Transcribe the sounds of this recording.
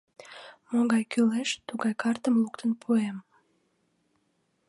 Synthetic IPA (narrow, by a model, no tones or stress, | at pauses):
moɣɑjkyleʃt̪uɣɑjkɑrt̪əmlukt̪ənpʰuem